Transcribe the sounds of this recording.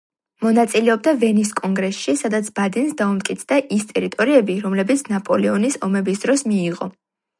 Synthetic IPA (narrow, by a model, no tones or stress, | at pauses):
mɔnat̪sʼilɛɔb̚d̪avɛnis̬kʼɔŋɡɾɛsʃisad̪at̪sʰbad̪ɛnsd̪aumt̪̚ʼkʼit̪sʰd̪aʔist̪ʼɛɾit̪ʼɔɾiɛbiɾɔmlɛbit̪sʰnapʼɔlɛɔnisɔmɛbisd̪ɾɔsmiːʁɔ̰